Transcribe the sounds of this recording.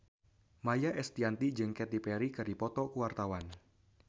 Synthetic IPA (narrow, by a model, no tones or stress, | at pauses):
majaʔɛst̪iant̪id͡ʒɨŋkɛt̪ipɛɾikɨɾipɔt̪ɔkuwart̪awan